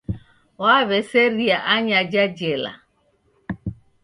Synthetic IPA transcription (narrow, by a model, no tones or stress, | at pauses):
waβeseɾiaʔaɲad͡ʒad͡ʒela̰